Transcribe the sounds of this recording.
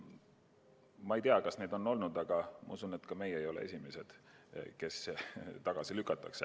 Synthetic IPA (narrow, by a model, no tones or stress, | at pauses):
mɑejt̪eɑkɑsne̞ːd̪̥o̞nːo̞lnud̪ɑɡ̥ɑmɑ̰usune̞t̪kɑme̞jejo̞lḛe̞sʲime̞se̞d̪̥ke̞st̪ɑɡ̥ɑsilykːˑɑt̪ːˑɑkse